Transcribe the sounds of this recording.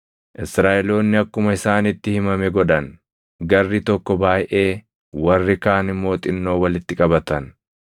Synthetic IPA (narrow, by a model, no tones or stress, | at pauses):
ʔɪsɾaːʔɛlo̞ːnːɪɐkːʊmɐɪsaːnɪt̪ːɪhɪmɐmɛɡɔᶑɐn | ɡɐrːɪt̪ɔkːɔbaːjʔe̞ː | wɐrːɪkaːnɪmːo̞ːt̪ʼɪnːo̞ːwɐlɪt̪ːɪkʼɐbɐt̪ɐn